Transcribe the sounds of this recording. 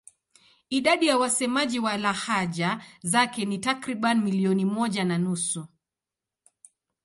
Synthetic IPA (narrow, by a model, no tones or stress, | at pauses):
iɗaɗijawasɛmaʄiwalahaʄazakɛnitakɾiɓanimiliɔnimɔʄananusu